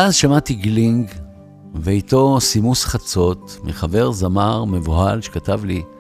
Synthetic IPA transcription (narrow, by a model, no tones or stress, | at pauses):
ʔazʃamatiɡliŋɡ | veito̞simusχat͡so̞t̪miχave̞ʁzamaʁme̞vohalʃekatavli